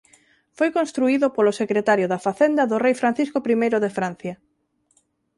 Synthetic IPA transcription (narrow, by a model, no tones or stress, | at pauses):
fojkonst̪ɾuiðopolosekɾet̪aɾjoðɐfaθend̪ɐðʊrejfɾan̟θiskopɾimejɾoðefɾan̟θjɐ